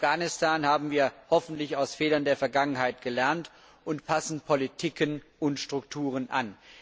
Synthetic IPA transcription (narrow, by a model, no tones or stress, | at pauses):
ɡ̥aːnɪstʰaːnhaːbm̩viːɐhɔfn̩tlɪçaʊsfeːdɐndeːɐfɛɐɡaŋənhaɪt̚ɡ̥əlɛɐnt | ʔʊntpʰasn̩pʰɔlitʰikənʊntʃtʁ̥ʊk̚tʰuːʁ̞ənʔa̰n